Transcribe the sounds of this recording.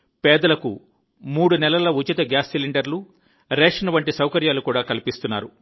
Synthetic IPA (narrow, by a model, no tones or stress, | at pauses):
pɛːd̪ɐlɐkṵ | muːɽunɛlɐlɐut͡ʃit̪ɐɡjaːsːiliɳɖɐɾlu | ɾɛːʂɐnɐʋɐɳʈisɐwkɐɾjaːlukuːɽaːkɐlipist̪unːa̰ːɾu